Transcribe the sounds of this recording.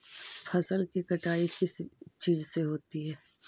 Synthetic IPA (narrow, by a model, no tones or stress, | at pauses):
fʰɐsəlkikɐʈaːikɪst͡ʃiːzseɦoːt̪iɦɛː